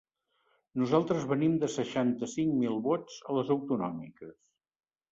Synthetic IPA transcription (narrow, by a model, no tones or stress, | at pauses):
nuzalˠt̪ɾəzβənimd̪əsəʃant̪əsiŋmilˠβozələzəwt̪unɔ̰mḭkəs